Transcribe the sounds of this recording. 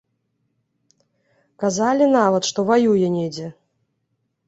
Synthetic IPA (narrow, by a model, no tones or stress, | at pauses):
kazalʲinavɐt̪ʂt̪ɔvajujɛnʲed͡zʲɛ